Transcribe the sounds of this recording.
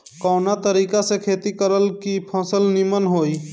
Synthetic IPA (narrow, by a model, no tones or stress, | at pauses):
kɔːnat̪əɾiːkasekʰeːt̪ikəɾəlkipʰə̃səlnimənɦoːi